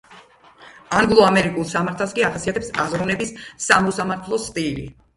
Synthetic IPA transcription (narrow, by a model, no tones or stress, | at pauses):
aŋɡlˠɔamɛɾikʼulˠsamaɾt̪ʰaskʼiaχasiat̪ʰɛpsazɾɔnɛbissamɔsamaɾt̪ʰlˠɔst̪ʼilḭ